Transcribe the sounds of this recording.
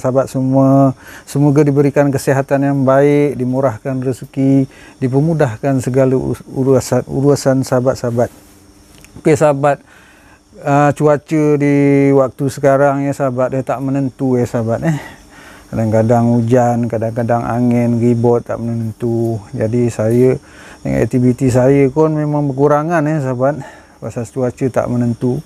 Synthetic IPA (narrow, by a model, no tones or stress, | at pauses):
sabat̪̚səmuasəmoɡadibəɾikankəsiɦat̪anjaŋbaɪk̚dimuɾahkanrəskidip̬ərmudahkansəɡala̰uɾsanṵɾusansaabat̪̚sabat̪̚ | okesabat̪̚ | ət͡ʃuat͡ʃədiwak̚t̪usəkaɾaŋjəsabat̪̚ɛt̪aʔmənənt̪uɛhsabat̪̚eh | kadaŋkadaŋud͡ʒankadaŋkadaŋa̰ŋɛnribɔt̪ːa̰ʔmənənənt̪ud͡ʒadisajədə̰ŋa̰ɛ̰k̚t̪ivit̪is̬ajəkʊnmemaŋbəkuɾaŋanɛhs̬abat̪̚ | pasast͡ʃuat͡ʃət̪a̰ʔmənənt̪u